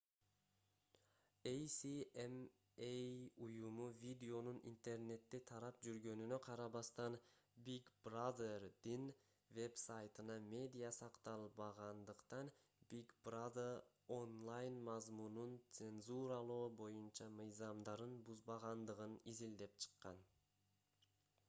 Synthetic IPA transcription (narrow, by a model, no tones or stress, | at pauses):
ejsiem | ejujumuvʲid̪ʲɪo̞nunḭnt̪e̞rne̞t̪ːit̪ʰɑɾɑp̚d͡ʒyɾɡø̞nynøqʰɑɾɑβɑst̪ɑnbiɡbrad̪erd̪̥in | ve̞bsɑjt̪ɯnɑmʲe̞d̪ʲijasɑqt̪ɑlˠbɑʁɑnd̪ɯqt̪ɑn | bikbrad̪er | onlˠajnmɑzmununt̪se̞nzuɾɑlˠoːbo̞junt͡ʃɑmɯjzɑmd̪ɑɾɯnbuzbɑʁɑnd̪ɯʁɯnizild̪e̞pt͡ʃʰɯ̥qːɑ̰n